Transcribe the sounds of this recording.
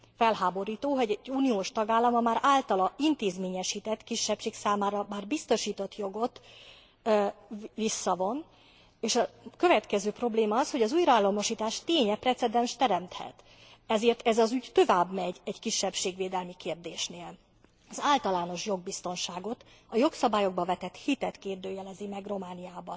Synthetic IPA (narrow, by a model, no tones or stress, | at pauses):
fɛlɦaːbo̞ɾiːt̪oːɦo̞ɟɛɟːuːnijoːʃt̪ɒɡaːlːɒmɒmaːɾaːlt̪ɒlɒint̪eːzmeːɲɛʃiːt̪ɛt̪kiʃːɛpʃeːksaːmaːɾɒmaːrbist̪o̞ʃiːt̪o̞t̪jo̞ɡo̞t̪ | visːɒvo̞n | eːʃɒkø̞vɛt̪kɛzøːpro̞bleːmɒɒsho̞ɟɒzuːjrɒaːlːɒlmɒʃiːt̪aːʃt̪eːɲɛprɛt̪sɛd̪ɛnʃt̪ɛɾɛmt̪hɛ̰t̪ | ɛzeːrt̪ɛzɒzyɟt̪o̞vaːbmɛɟɛɟkiʃːɛpʃeːɡʋeːd̪ɛlmikeːrd̪eːʃneːl | ɒzaːlt̪ɒlaːno̞ʃjo̞ɡ̚bist̪o̞nʃaːɡo̞t̪ | ɒjo̞ksɒbaːjo̞ɡ̚bɒvɛt̪ɛt̪hit̪ɛt̪keːrd̪øːjɛlɛzimɛɡro̞maːnijaːbɒ